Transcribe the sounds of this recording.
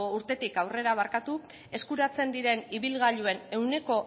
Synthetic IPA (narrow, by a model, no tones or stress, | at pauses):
uɾt̪e̞t̪ikawre̞ɾaβ̞aɾkat̪u | e̞skuɾat͡se̞nd̪iɾe̞niβilɣaʎue̞ne̞wne̞ko̞